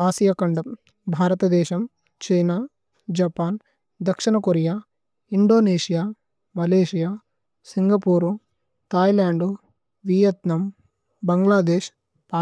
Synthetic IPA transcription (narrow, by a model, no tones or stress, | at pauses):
aːsijakɐɳɖɐ | bʱaːɾɐt̪ɐd̪ɛːʃɐm | t͡ʃejnaː | d͡ʒɐpaːn | d̪ɐkʂinɐkoɾijaː | iɳɖoːneːʃijaː | mɐleːʃijaː | siŋɡɐpuːɾu | t̪aːjlaːɳɖu | ʋijɐt̪nɐm | bɐŋɡlaːd̪eːʃ | paː